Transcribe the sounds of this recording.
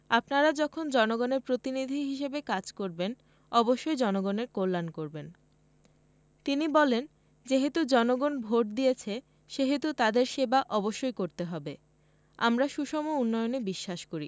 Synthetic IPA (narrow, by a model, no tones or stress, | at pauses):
apnaɾad͡ʑɔkʰond͡ʑɔnoɡɔneɾpɾot̪inid̪ʱiɦiʃebekad͡ʑkoɾben | ɔboʃːojd͡ʑɔnoɡoneɾkolːankoɾben | t̪inibɔlen | d͡ʑeɦet̪ud͡ʑɔnoɡonbʱoʈ̚d̪ijet͡ɕʰe | ʃeɦet̪ut̪ad̪eɾʃebaʔɔboʃːojkoɾt̪eɦɔbe | a̰mɾaʃuʃɔmounːɔjonebiʃːaʃkoɾi